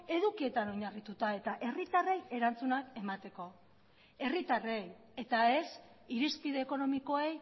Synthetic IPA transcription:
e̞ðukie̞t̪ano̞ɲarit̪ut̪ae̞t̪aʔe̞rit̪are̞je̞ɾant͡sunake̞mat̪e̞ko̞ | e̞rit̪are̞j | e̞t̪ae̞s | iɾispiðe̞ːko̞no̞miko̞ej

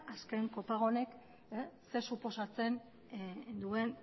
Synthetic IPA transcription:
aske̞ŋko̞paɣ̞o̞ne̞k | se̞supo̞sat͡se̞n | d̪ue̞n

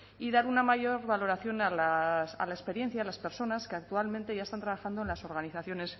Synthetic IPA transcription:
iðaɾunamaʝo̞ɾβalo̞ɾaθjo̞nalasa̰laespe̞ɾje̞n̟θjaːlaspe̞ɾso̞naskeak̚t̪ualmẽnt̪e̞ʝaest̪ant̪ɾaβaxand̪oe̞nlaso̞ɾɣaniθaθjo̞ne̞s

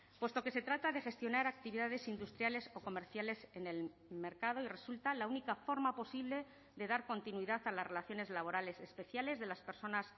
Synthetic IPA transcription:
pwe̞st̪o̞ke̞set̪ɾat̪aðe̞xe̞st̪jo̞naɾak̚t̪iβiðaðe̞sind̪ust̪ɾjale̞so̞ko̞meɾθjale̞se̞ne̞l | me̞ɾkað̞o̞ire̞sult̪alaunikafo̞ɾmapo̞siβle̞ | ðe̞ðaɾko̞nt̪inuwiðaθalasre̞laθjo̞ne̞zlaβ̞o̞ɾale̞se̞spe̞θjale̞zðe̞laspe̞ɾso̞nas

